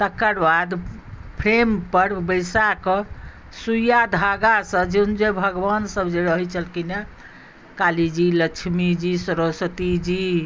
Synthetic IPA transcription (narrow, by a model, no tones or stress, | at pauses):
t̪əkːəɾbad̪ | pʰɾempəɾbəjsakə | sujad̪ʱaɡasə̃d͡ʒend͡ʒebʱəɡbansəbd͡ʒeɾəɦɛt͡ʃʰəlkine | kalid͡ʒiləkt͡ʃʰmid͡ʒisəɾosət̪id͡ʒi